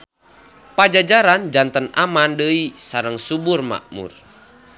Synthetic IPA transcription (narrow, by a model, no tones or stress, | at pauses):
pad͡ʒad͡ʒaɾand͡ʒant̪ənamandəisaɾəŋsuburma̰ʔmṵr